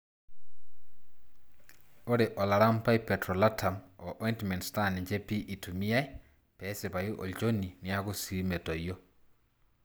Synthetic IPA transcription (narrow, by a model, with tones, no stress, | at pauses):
o˦ɾe˨ʔɔ˨la˨ɾa˦mpa˦i˦pɛtɾɔ˨la˦tʰa˨mɔ˨ʔɔ˦inti˨mɛ˨ntsta˦˨nɪ˨ɲd͡ʒe˦pi˦ʔi˨tu˨mi˦a˦j | pɛ˦se˨pa˨i˦ʔɔ̰˨t͡ʃo˦ni˨nɪ˦a˦ɣo˦si˦ɾi˦me˨tɔ˨jɔ˦